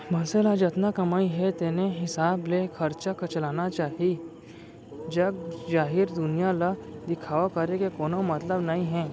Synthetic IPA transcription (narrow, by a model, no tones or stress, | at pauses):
mɐnselad͡ʒɐt̪nakɐmaːiɦɛt̪eːneɦɪsaːblexʰɐɾt͡ʃakɐt͡ʃɐlaːnat͡ʃaːɦi | d͡ʒɐɡ̚d͡ʒaːɦɪɾd̪ʊnijalad̪ɪkʰaːʋakɐɾekekoːnomɐt̪ləbnɐɦĩɦɛ̃ː